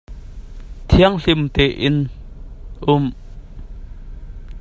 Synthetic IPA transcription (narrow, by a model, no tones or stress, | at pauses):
t̪ʰiəŋɬɪmt̪ɛʔɪn | ʔʊm